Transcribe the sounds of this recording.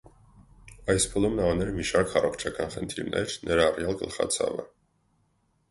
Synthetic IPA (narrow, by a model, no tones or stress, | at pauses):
ɑjspʰulumnɑɑnɛɾmiʃɑɾkʰɑrɔχt͡ʃʰɑkɑnχənt̪ʰiɾnɛ̰ɾnʔɛɾɑrjɑlɡəlχɑ̰t͡sʰɑ̰və̰